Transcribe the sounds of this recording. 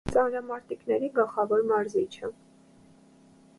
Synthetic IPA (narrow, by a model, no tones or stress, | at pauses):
t͡sɑnɾɑmɑɾt̪iknɛɾiɡəlˠχɑvɔɾmɑɾzit͡ʃʰə